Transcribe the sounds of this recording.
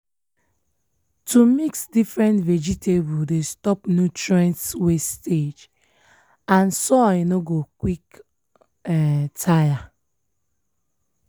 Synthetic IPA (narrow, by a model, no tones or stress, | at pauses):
tumiksdifɹɛ̃ntvɛd͡ʒitʰebudestɔpnjutɹɛ̃ntswested͡ʒ | ãnsɔinoɡokwik | ɛtʰaja